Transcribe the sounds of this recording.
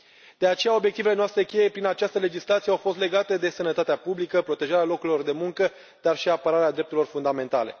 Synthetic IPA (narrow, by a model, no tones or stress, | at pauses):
d̪̥e̞at͡ʃe̞jao̞bjek̚t̪ive̞le̞noast̪ɾe̞kʲe̞je̞pɾinat͡ʃast̪əle̞d͡ʒislat̪sie̞awfo̞st̪le̞ɡat̪e̞d̪e̞sənət̪at̪eapublikəpɾo̞t̪e̞ʒaɾealo̞kuɾilo̞rd̪e̞muŋkə | d̪̥arʃiapəɾaɾead̪ɾe̞p̚t̪uɾilo̞rfund̪ame̞nt̪ale̞̰